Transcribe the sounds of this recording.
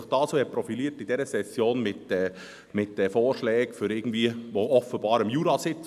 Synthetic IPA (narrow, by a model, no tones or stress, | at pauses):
ɪχd̥ɑːsoɛpɾɔfiliːɾtɪd̥ɛɾəsɛsjoːnmɪtɛ | mɪtːɛfoːɾʃlɛːɡfʏɾɪɡn̩d̥̪viːʋoːʔɔfəbɑːɾəmjuːɾɑsɪt͡s